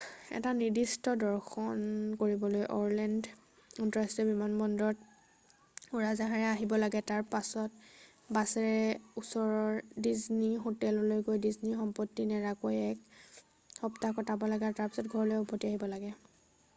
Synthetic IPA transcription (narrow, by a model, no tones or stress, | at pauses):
ɛ̰tanidistɔdɔɹxʰɔnkoɹibɔlojʔɔɹlɛnd | ɔntɔɹastɛbimanbɔndɔɹɔt | uɹazaɦaɹɛaɦibɔlaɡɛtaɹpasɔt̚ | basɛɹɛusɔɹɔɹdiznixotɛlɔlojɡojdiznixɔmpɔtːinɛɹakojɛk | xɔptakɔtʰabɔlaɡɛaɹɔtaɹpisɔtɡʱɔɹɔlojupʰːɔtːiaɦibɔlaɡɛ